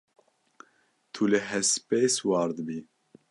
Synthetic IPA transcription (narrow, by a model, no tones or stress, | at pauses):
t̪ʰulɨɦɛspeːswɑːɾd̪ɨbiː